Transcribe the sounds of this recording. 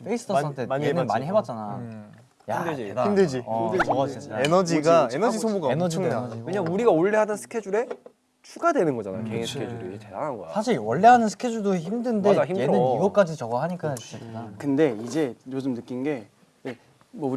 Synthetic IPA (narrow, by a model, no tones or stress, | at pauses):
pʰeis͈ʰɯ̥tʰʌsʰantʰeɲenɯnmaɲiɦe̞bat̚t͡ɕ͈ana | ja̰daimded͡ʑi | it͡ɕaenʌd͡ʑiɡaenʌd͡ʑisʰomuɡaenʌd͡ʑiŋd͡ʑiɯɲaŋuɾiɡaoɭːeɦadʌnsʰɯ̥kʰe̞d͡ʑuɾe̞ | t͡ɕʰuɡadwe̞nɯnɡʌd͡ʑana̰jokeŋisʰɯ̥kʰed͡ʑuɾiete̞daŋɦanɡʌ̰jsʰaɕ̬ʰiɾwʌɭːeɦanɯnsʰɯ̥kʰe̞d͡ʑuɭdoeçimdɯnde̞ije̞ɯniɡʌk͈ad͡ʑit͡ɕʌɡʌhaɲik͈at͡ɕu̥ɕʰitinakɯnde̞id͡ʑe̞josɯmnɯk͈inɡe̞ | e | mʌu